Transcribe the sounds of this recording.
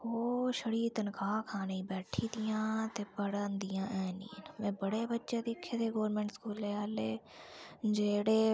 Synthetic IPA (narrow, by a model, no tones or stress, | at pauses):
hoːʃəɽiːt̪ənkaːkʰaːneiːbɛːʈʰiːd̪ijãːt̪eːbəɽənd̪ɪjãːʔɛːnḭːnmɛ̃ːbəɽeːbətːʃeːd̪ɪkʰːeːt̪eːɡoːɾmẽːɳʈskuːlːeːəːleː | d͡ʒeːɽeː